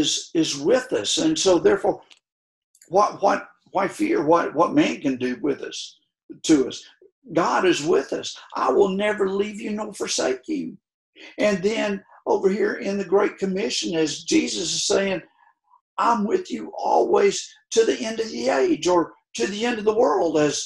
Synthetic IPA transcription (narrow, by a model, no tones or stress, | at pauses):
zɪzwɪðʌsɨ̃nsoʊðɛɹfɔɹ | wʌt̚wʌt̚ | waɪfɪɹwʌt̚wʌt̚mæ̃nkɨ̃ndɨwɪðʌ̰s | tʰɨʌs | ɡɑɾɨzwɪðʌ̰sʔa̰ɪwɪlˠnɛvə˞livjɨnoʊfə˞sḛɪkɪ̃ŋ | ɨ̃nðɨ̃n | ʔoʊvə˞hiɹɪ̃nðɨɡɹeɪt̚kʰɨmɪʃɨ̃nɨzd͡ʒizɨsɨz̥seɪɪ̃ŋ | ʔãɪ̃mwɪðjɨʔɔ̰lˠwiz̥tʰɨðiʔɛ̃ndʌvðieɪd͡ʒə˞ | ɾɨðiɛ̃ndʌvðəwɜ˞lˠdɨz̥